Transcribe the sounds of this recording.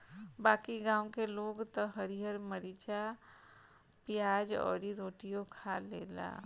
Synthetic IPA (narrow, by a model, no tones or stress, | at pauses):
baːkiɡãːwkeloːɡt̪ɔɦəɾiɦəɾməɾit͡ʃa | pɪjaːd͡ʒɔ̰ːɾiɾoːʈijokʰalḛːla̰ː